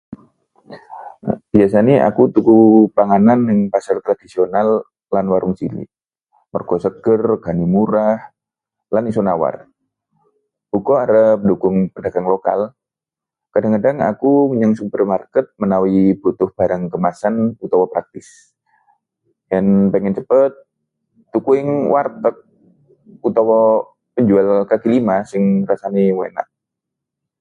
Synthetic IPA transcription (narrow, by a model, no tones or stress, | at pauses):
b̥ias̬aniʔa̰kut̪ukupaŋananːɪŋpasart̪ɾadisionalː | anwaɾʔʊŋt͡ʃilḭ | mərkɔsəɡərɡanimuɾah | lanisonawa̰r | bukɔaɾəp̚dukʊŋpəndaɡanloka̰l | kadaŋkadaŋa̰kuməɲaŋsupərmarkət̪̚mənawibut̪ʊhb̥aɾaŋkəmasanput̪awɔpɾak̚t̪ɪs | janpəŋɛnt͡ʃəpət̪̚ː | ukuɪŋwart̪ək̚ | put̪awɔ | pəɲd͡ʒualkakilimasɪŋrasaniwena̰ʔ